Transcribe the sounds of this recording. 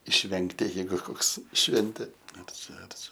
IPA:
ɪʃʲˈʋʲɛŋktʲɪ jɛɪˈɡʊ ˈkoːks ˈʃʲʋʲɛnʲtʲeː ɐr ˈt͡ʃʲɛ ɐr ˈt͡ʃʲɛ

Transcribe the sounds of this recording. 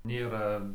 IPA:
ˈnʲeːrɐ

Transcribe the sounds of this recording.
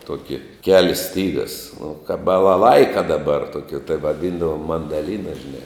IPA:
ˈtuɔkʲɪ ˈkʲæːlʲɪs ˈsʲtʲiːɡɐs nʊ kɑːp bɐlˠɐˈlˠɐɪkɐ dɐˈbɐr ˈtoːkʲɪ tɐɪ ʋɐˈdʲiːndɐʋoːm mɐndɐˈlʲiːnɐ ʒʲɪˈnɐɪ

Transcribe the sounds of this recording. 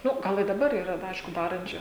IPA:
ˈnʊ ˈɡɐlˠ ɪ dɐˈbɐr iːˈrɐ dɐ ˈɐɪʃkʊ ˈdɑːrɐnʲt͡ʃʲʊ

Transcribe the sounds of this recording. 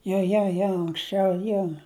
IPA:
joː joː ˈjoː ɐŋksʲˈt͡ʃʲɛʊ ˈjoː

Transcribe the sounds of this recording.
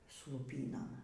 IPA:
sʊ lˠʊˈpʲiːnoːm

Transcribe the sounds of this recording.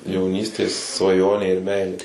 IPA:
jɛʊˈnʲiːsʲtʲeːs sʋɐˈjoːnʲeː ɪr ˈmʲɛɪlʲeː

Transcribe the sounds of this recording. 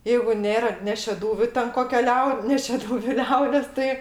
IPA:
ˈjɛɪɡʊ ˈnʲeːrɐ nʲɛ ʃʲɛˈduːʋʲʊ tʲɛn ˈkoːkʲɛ ˈlʲɛʊ nʲɛ ʃʲɛˈduːʋʲʊ ˈlʲɛʊdʲeːs ˈtɐɪ

